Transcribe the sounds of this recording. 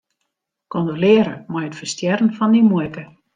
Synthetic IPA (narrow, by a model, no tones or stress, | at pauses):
kondəlɪəɾəmɔjətfərstjɛrən̩fɔndimɔkə